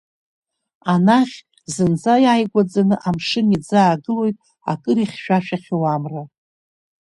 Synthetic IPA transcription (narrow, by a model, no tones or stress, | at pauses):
anaχʲ | zɨnd͡zajaːjɡʷad͡zanɨʔamʂɨnid͡zaːɡɨlo̞jtʼ | a̰kʼɨɾiχʲʃᶣaʃᶣaχʲɪwamra